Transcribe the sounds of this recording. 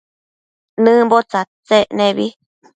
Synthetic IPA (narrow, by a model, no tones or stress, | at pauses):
nɨ̃bot͡sat͡seʔnẽβi